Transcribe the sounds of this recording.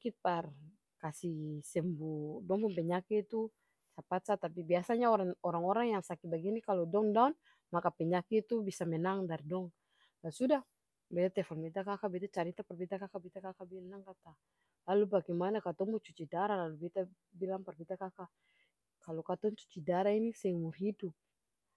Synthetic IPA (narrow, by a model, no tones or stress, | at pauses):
kit̪̚par | kasisɛmbudɔŋbɔmpɛɲakiːt̪u | sapat̪sat̪ap̬ibiasaɲaɔaɔɾaŋɔɾaŋjaŋsakibaɡinikalɔdɔŋdaun | makapɛɲakiːt̪ubisamɛnaŋdardɔŋ | lasudah | bɛt̪at̪ɛfɔlbɛt̪akakabɛt̪at͡ʃaɾit̪apɛrbit̪akakabit̪akakabilanaŋkat̪a | lalubaɡɛmanakat̪ɔŋbut͡ʃut͡ʃidaɾalalubɛt̪a | bilaŋpɛrbit̪akaka | kalɔkat̪ɔŋt͡ʃu̥t͡ʃidaɾainisɛŋmurɦidup̚